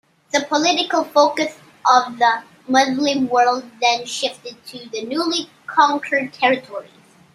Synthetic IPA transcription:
ðəpʰəlɪɾɨkəl̩ˠfoʊkɨs | ʔʌvðə | mʊzlɨ̃mwɜ˞lˠd̪̚ðɨ̃nʃɪftɨd̚tʰɨðɨnuli | kʰɑ̃ŋkʰə˞d̚tʰɛɹɨtʰɔɹḭz̥

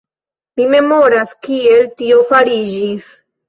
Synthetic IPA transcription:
mime̞mo̞ɾaskie̞ltio̞faɾid͡ʒis

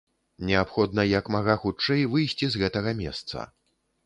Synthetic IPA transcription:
nʲɛapxɔd̪nɐjɐkmaɣaxut͡ʂɛjvɨjsʲt͡sʲizɣɛt̪ɐɣɐmʲɛ̰st̪sɐ̰

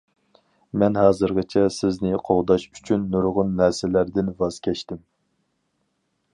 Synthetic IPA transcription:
mɛnɦɑːzɨɾʁɨt͡ʃʰɛsɪznɪqʰoʁd̪ɑʃy̥t͡ʃʰynːuɾʁʊnːɛɾsɪlæɾd̪ɪnvɑz̥kʲʰɛʃt̪ɪm

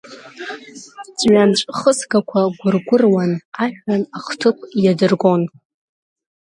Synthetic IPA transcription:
d͡zʼɥamʈ͡ʂʷʼχəsɡakʷʰaɡʷʊrɡʷʊrwanaħᶣanaχtʰɨpʷʼjadɨrɡo̞n

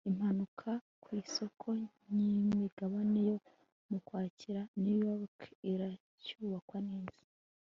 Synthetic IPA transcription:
im̥hanukʰa | kwiːso̞kʰo̞ɲimmiɡaβane̞jo̞ | mukwaːciɾanujoɾkiɾa | cuːβakwaniːzi̥

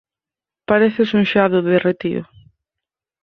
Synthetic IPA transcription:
paɾeθɪsuŋʃaðʊðɪret̪ḭɾʊ̰

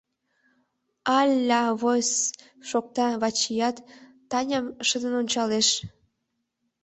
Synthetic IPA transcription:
ɑlʲːɑβos | ʃok̚t̪ɑβɑt͡ɕijɑt̪ː | ɑnʲəmʃəd̪ənonʲt͡ɕɑleʃ

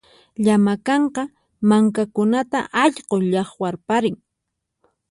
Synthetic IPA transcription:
ʎamakɑɴqɑ | maŋkakʊnat̪a̰ʔɑʎqoʎɑχwaɾpaɾɪŋ

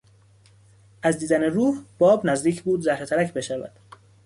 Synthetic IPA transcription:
ʔæzd̪iːd̪æneruːhb̥ɒːbnæzd̪iːcʰbuːd̪zæhɾe̞t̪ʰæɾæcʰbe̞ʃævæ̰d̪̥

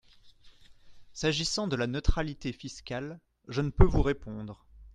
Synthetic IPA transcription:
saʒisɑ̃d̪əlanət̪χalit̪efiskʲal | ʒənəpøvuʁepɔ̃d̪ʁə

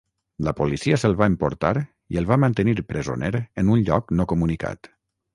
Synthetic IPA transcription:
ləpolisiəsəlˠβaəmpoɾt̪aɾ | iəlˠβamənt̪əniɾpɾəzo̰neɾənunʎɔknɔkumunika̰t̪

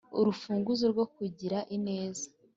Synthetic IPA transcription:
uɾufuːŋɡuzoɾɡo̞k̚uɟiɾaʔine̞ːzḁ

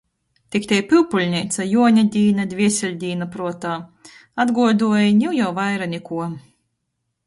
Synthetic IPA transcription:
t̪ʲikt̪ʲɛjpʲɨwpulʲnʲiːt̪sajuɔnʲad̪ʲiːnad̪ʲvʲiɛsʲɛlʲd̪ʲiːnapɾuɔt̪aː | ad̪ɡuɔd̪uɔjnʲiwjawvajɾanʲikuɔ

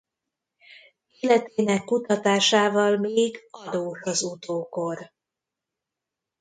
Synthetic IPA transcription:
eːlɛt̪eːnɛkːut̪ɒt̪aːʃaːvɒlmeːɡɒd̪oːʃɒzut̪oːko̞r

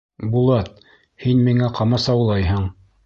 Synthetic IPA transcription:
bulˠɑt̪̚ | hinmiŋæqʰɑmɑsɑwlˠɑjɦɤɴ

